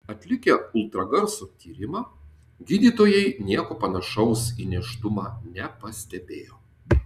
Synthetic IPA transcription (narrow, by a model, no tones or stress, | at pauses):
ɐt̪ʲlʲɪkʲɛʊlˠt̪ɾɐɡɐɾsoːt̪ʲiːɾʲɪmɑː | ɡʲiːd̪ʲiːt̪oːjɛɪnʲiɛkoːpɐnɐʃɐʊsinʲɛʃt̪ʊmɑːnʲɛpɐsʲt̪ʲɛbʲeːjoː